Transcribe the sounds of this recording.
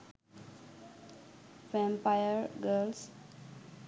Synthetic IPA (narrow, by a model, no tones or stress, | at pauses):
fɛ̃mpajəɾɡəls